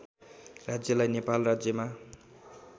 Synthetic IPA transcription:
rad͡zjʌlajnepalrad͡zjʌma

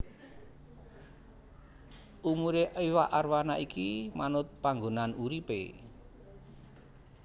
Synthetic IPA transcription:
umuɾeʔiwaʔarwanaʔikimanʊt̪̚paŋɡonanuɾipḛ

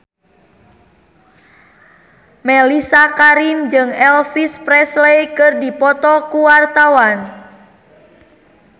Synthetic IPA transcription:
mɛlisakaɾimd͡ʒɨŋɛlfispɾɛslejkɨrdipɔt̪ɔkuwart̪awan

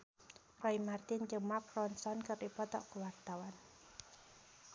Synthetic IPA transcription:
rɔimart̪ɪnd͡ʒəmakrɔnsɔnkərdipɔt̪ɔ̰kəwart̪awan

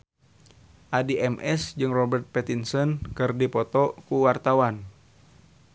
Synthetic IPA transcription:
ʔadiʔɛmʔɛsd͡ʒɨŋrɔbɛrt̪̚pɛt̪insɔnkɨrdipɔt̪ɔkuwart̪awan

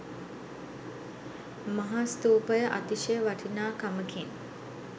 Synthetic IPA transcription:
maɦast̪uːpəjəʔat̪iʃəjəʋaʈʰinaːkaməkʰin

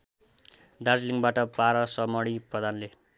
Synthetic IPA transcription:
d̪ard͡zliŋɡbaʈʌpaɾʌsʌmʌɽiprʌd̪ʱanle

